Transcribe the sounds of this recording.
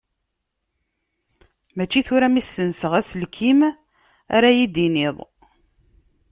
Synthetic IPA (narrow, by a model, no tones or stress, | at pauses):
mæt͡ʃːiθʊɾæmisːənsəʁæslkʰim | a̰ɾæjid̪inɪðˤ